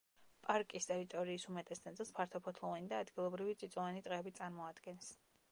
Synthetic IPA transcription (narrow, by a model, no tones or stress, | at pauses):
pʼaɾkʼist̪ʼɛɾit̪ʼɔɾiːsumɛt̪ʼɛsd̪ɛnʼɛlˠspʰaɾt̪ʰɔpʰɔt̪ʰlˠɔvanid̪aːd̪ɡilˠɔbɾivit̪sʼit̪sʼɔvanit̪ʼʁʼɛːbit̪sʼaɾmɔad̪ɡɛns